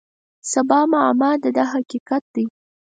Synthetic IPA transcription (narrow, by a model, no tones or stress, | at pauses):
sabɑmaamɑd̪əd̪ɑɦakiqat̪̚d̪ij